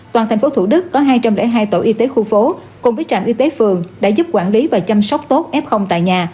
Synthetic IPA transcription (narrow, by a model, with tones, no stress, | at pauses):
t̪waː˨˩nʰɛ˨˩ŋ̟fo˨˦t̪ʰṵ˧˩ɗɨ˦˥kːɔ˨˦ɦaː˧jt͡ɕa˧mlɛ̰˧˥ɦaː˧jt̪o̰˧˩ʔi˧t̪e˨˦xu˧fo˨˦ | kʊ˨˩ŋ͡mvəː˨˦jt͡ɕa̰ː˧˨mʔi˧t̪e˨˦fɨ˨˩əŋɗa̰ː˧˥zu˦˥p̚kwaː˧˩nli˨˦vaː˨˩t͡ɕa˧msa˦˥wk͡p̚t̪o˦˥t̚ʔɛ˦˥p̚xə˧wŋ͡mt̪a̰ː˧˨jɲaː˨˩